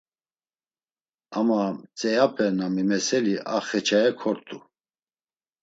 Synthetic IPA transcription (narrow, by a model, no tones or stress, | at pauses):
amat͡sʼɛjapʰɛnamimɛsɛliʔaχɛt͡ʃʰaɛkʰɔɾt̪ʰʼu